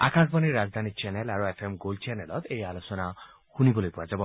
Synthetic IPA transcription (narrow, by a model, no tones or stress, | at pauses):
a̰kãsbaniɾad͡zd̪ʱanit͡ʃɛnelaɾuepʰemɡolt͡ʃenelɔt̪ejalosɔna | xunibɔlojpɔad͡ʒabɔ